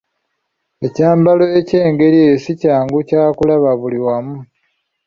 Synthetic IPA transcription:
e̞caːmbalo̞ece̞ːŋɡe̞ɾiejosicaːŋɡucaːkulaβaβuliwamu

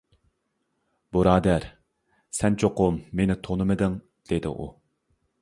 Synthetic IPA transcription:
buɾɑːd̪æɾ | sɛnt͡ʃʰoqʊmːenɪt̪ʰonɨmɨd̪ɨŋ | d̪̥ed̪ɪ̰ʔṵ

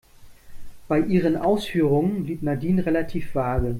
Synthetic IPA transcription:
b̥aɪʔiːʁənʔa̰ʊsfyːʁ̞ʊŋənliːtnadiːnʁelatʰiːfv̥aːɡə

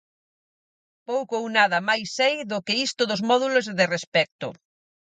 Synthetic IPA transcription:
powkownaðɐmajsɛjðʊkɪist̪ʊðʊzmɔðulozðɪrespɛk̚t̪ʊ̰

